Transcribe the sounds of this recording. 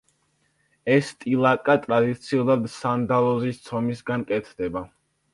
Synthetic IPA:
ɛst̪ʼilˠakʼat̪ʼɾad̪it̪sʰiulˠad̪sand̪alˠɔzist̪sʰɔmisɡankʼɛt̪ʰd̪ɛba

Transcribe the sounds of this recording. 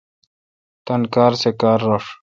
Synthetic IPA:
t̪ɐnkaːɾsekaːɾːɐʂ

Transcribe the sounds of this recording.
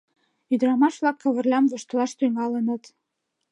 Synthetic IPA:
yd̪ɾɑmɑʃlˠɑkːɤ̆βə̆rlʲɑmvŏʃt̪lˠɑʃt̪uŋɑlɤ̆nɤ̆t̪

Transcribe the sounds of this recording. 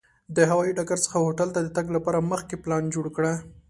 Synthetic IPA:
d̪əɦawɑiɖaɡaɾsə̥xahoʈalt̪ad̪ət̪aɡlapɑɾaməxkeplɑnd͡ʒoɽkɽə

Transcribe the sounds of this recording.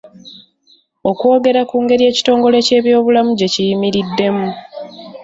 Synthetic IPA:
o̞kwo̞ːɡe̞ɾakuːŋɡe̞ɾie̞ːci̥to̞ːŋɡo̞le̞ce̞ːβjo̞ːβulamuɟe̞cijimiɾidːe̞mu

